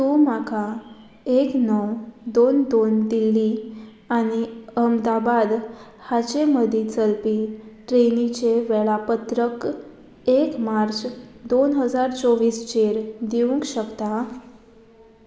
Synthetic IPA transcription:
t̪ũmakʰa | eknəwd̪ond̪ond̪ilːi | aɽ̃iəmd̪abad̪ | hat͡ɕeməd̪ʱit͡səlpiʈɾenit͡ɕeʋɛɭapət̪ɾək | ekmaɾt͡sd̪onɦəd͡zaɾt͡sɔʋiːst͡ɕeɾd̪iʋũŋkɕəkt̪a

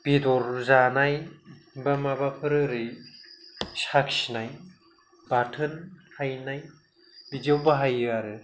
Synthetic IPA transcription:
b̥idɔɾzanajbamabapʰɯɾɯɾɯj | saksinaj | b̥atʰɯnhajnaj | bidiawbaɦajɯaɾɯ

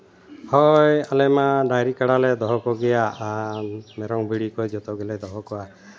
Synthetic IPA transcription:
hɔjalɛmanajɾikaɽalɛd̪ɔɦɔkɔɡɛja | mɛɾɔŋbiɽikɔjd͡ʒɔt̪ɔɡɛlɛd̪ɔɦɔkɔa

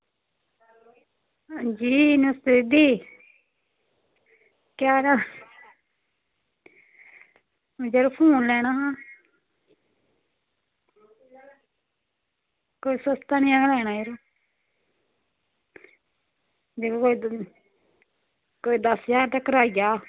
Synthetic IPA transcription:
d͡ʒiːnəst̪ɪd̪iː | kjaːɾa | d͡ʒeɾopʰuːnlɛːnaːɦãː | koːiːsəst̪aːnːãːɡəlɛːnaːjeɾoː | d͡ʒekːkoːi | koːid̪əsjaːɾt̪akəɾaːijaː

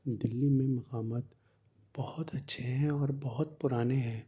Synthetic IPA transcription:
d̪ɪlːimẽmɐqaːmət̪ | b̥ɐhʊt̪ɐtːʃʰeɦɛ̃ɔːɾbɐɦʊt̪̚pʊɾaːneɦɛ̃ː

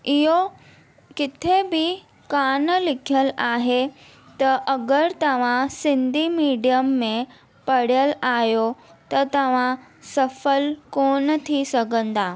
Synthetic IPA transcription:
ɪɦo | kɪt̪ʰebɪ | kaːnlɪkʰjəlaːɦe | t̪ɐʔɐɡəɾt̪ɐʋ̤ãsɪ̃nd̪ʱimiːɖijəmːẽ | pɐɽ̤ijəlaːɦjot̪ɐt̪ɐʋ̤ãsɐfəlkoːnət̪ʰisɐɡʱə̃nd̪aː

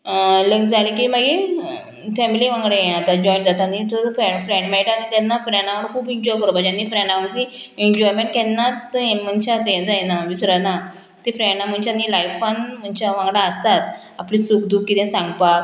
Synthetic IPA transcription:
ləŋɡd͡zalikimaɡe | fɛmiliʋãŋɡɽejẽat̪ad͡ʑɔjɳʈd͡zat̪anit̪əɾfɾeɳɖfɾẽɳɖmɛjʈanit̪ɛnːapənjãɳaʋəɽkʰuːbiɲd͡ʑɔjkəɾbad͡ʑanːifɾẽɳɖaəɳt̪i | iɲd͡ʑɔjmẽɳʈ̚kɛnːat̪m̤ənt͡ɕat̪ẽd͡zajnaʋisɾəna | t̪ifɾɛɳam̤əɳt͡ɕanilajfanm̤ənt͡ɕaʋãŋɡɽaəst̪at̪ | aplisukd̪uːkkːit̪ɛ̃sãŋɡpak

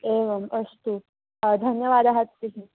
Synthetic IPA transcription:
eʋəməst̪u | d̪ʱənjəʋad̪aɦat̪ːiɦĩ

